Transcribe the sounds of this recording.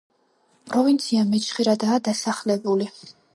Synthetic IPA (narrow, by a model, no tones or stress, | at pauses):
pʼɾɔvint̪sʰiamɛt͡ʃʰχiɾad̪aːd̪asaχlɛbuli